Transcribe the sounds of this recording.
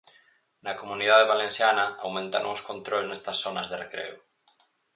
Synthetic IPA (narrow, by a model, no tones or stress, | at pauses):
nɐkomunið̞aðeβalẽnsjanɐawmẽnt̪a̰no̰ŋoskont̪ɾolznest̪ɐsːonɐzðɪrekɾḛu